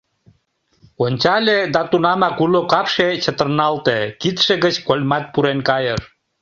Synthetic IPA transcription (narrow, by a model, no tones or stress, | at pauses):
onʲt͡ɕɑlʲed̪ɑt̪unɑmɑkulokɑpʃet͡ɕət̪ərnɑlt̪ekit̪ʃeɣət͡ɕkolʲmɑt̪̚puɾenkɑjər